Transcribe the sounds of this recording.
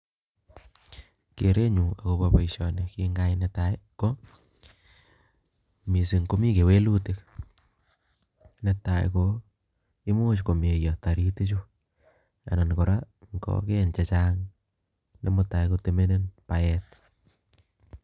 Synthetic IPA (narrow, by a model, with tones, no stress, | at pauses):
ke˨ɾe˦ɲua˨kopapa˨jʃɔnekiŋɡa˦jnetajko | mi˨si˨ŋko˦mi˦ke˨we˦lu˦tɪk̚ | nɛtaj̰ko | i˦mu˦t͡ʃ̬ko˨me˨jɔ˨ta˨ɾi˦ti˦t͡ʃu | a̰˨na˨nko˨ɾa | ŋɡɔ̰keɲt͡ʃɛt͡ʃaŋ | nḛ˦mota˨jkote˦me˦nenpaɛt̚